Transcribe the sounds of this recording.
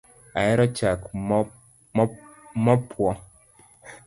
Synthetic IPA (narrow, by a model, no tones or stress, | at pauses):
ajeɾat͡ʃak | mapʰwɔ